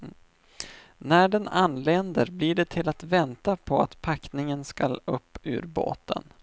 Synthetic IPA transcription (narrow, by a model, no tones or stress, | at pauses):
næɖɛnanːleːnd̪əɾbliɖɛt̪ʰɪlat̪vɛnt̪apʰɔat̪pʰaknɪŋənska̰lɵpːʉ̟̰ːɾbo̰ːt̪ə̰n